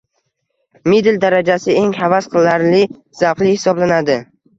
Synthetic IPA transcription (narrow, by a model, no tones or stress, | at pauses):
mid̪ɪld̪aɾad͡ʒasɪeŋhavasqʰɨlˠːaɾlɪ | z̥aqlˠɪhɪ̥sɒblanad̪ɪ